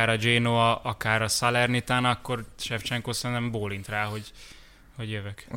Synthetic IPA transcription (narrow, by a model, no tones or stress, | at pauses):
aːɾɒd͡ʒeːnoɒʔɒkaːɾɒsɒlɛrnit̪anɒkːo̞rʃɛft͡ʃɛŋkoːsɛnɛmboːlint̪raːɦo̞ɟ | ho̞ɟjøvɛk